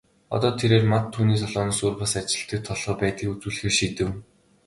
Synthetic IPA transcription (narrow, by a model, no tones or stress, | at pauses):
ɔ̰t̪ɔːt̪ʰeɾeːrmat̪ʰːuːniːs̬ɔɮɔːniːsuːrpə̆sat͡ɕɪ̆ɬt̪ɘ̆k̚t̪ʰːɔɮʁɞːpæːt̪iːkut͡suːɮɘ̆xeːrʃit̪ɘ̆w